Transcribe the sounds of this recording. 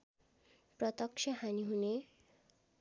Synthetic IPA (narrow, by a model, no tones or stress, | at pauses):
prʌt̪ʌkʂʌɦaniɦune